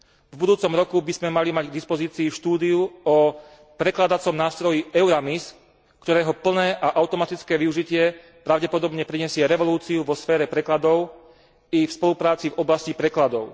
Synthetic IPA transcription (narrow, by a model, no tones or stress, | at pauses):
vbud̪uːt͡sɔmɾɔkubizmɛmalimaɟɡ̚d̪ispɔziːt͡siːfʃt̪uːd̪iuɔ | pɾɛklad̪at͡sɔmnaːst̪ɾɔjiɛʊɾamis | kt̪ɔɾɛːɦɔpl̩nɛːʔaʔaʊt̪ɔmat̪it͡skɛːʋiuʒicɪɛ | pɾaʊɟɛpɔd̪ɔbɲɛpɾiɲɛsɪɛɾɛʋɔluːt͡siuʋɔsfɛːɾɛpɾɛklad̪ɔʊ | ifspɔlupɾaːt͡sivɔblascipɾɛklad̪ɔʊ